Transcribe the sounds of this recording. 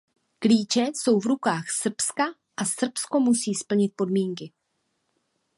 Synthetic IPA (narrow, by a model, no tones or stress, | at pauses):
kliːt͡ʃɛso̞wvɾukaːxsr̩pska | ʔasr̩psko̞musiːspl̩ɲɪt̪̚po̞dmiːŋkɪ